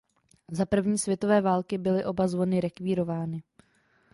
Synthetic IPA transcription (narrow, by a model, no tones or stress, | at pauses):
zapr̩vɲiːsvjɛt̪o̞vɛːvaːlkɪbɪlɪʔo̞bazvo̞nɪɾɛkviːɾo̞vaːnɪ